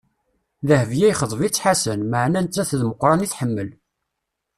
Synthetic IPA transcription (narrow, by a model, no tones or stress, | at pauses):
ðəhəvjæjχəðˤvit͡sːħasənməʕnænt͡s̪ːæθðməqːɾˤɑniθħəmːəl